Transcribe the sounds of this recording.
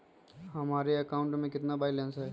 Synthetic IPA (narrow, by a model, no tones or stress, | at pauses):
ɦɐmaːɾeɐkaːʊ̃ɳʈmẽkɪt̪nabaːilɛ̃ːnsɦɛː